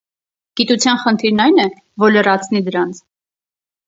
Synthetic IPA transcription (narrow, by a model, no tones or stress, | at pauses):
ɡ̥it̪ut͡sʰjɑnχənt̪ʰiɾnɑjnɛ | vɔɾlərɑt͡sʰnid̪əɾɑnt͡sʰ